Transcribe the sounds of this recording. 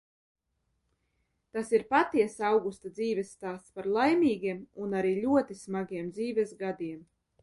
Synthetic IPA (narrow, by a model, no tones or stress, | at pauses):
t̪asiɾpat̪iɛsawɡust̪ad̪ziːvʲɛsːt̪aːst̪spaɾlˠajmʲiːɡiɛmunaɾiːʎʲuɔt̪ismaɡʲiɛmd̪ziːvʲɛzɡad̪iɛm